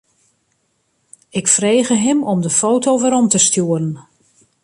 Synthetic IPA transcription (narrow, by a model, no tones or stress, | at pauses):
ɪkfreːɣəɦɪmɔmdəfoːtowʋəɾɔmtəstjuəɾən